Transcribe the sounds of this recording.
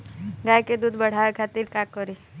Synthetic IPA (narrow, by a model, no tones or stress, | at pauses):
ɡaːjked̪uːd̪ʱbəɽ̤aʋekʰat̪iɾkakkːɔɾi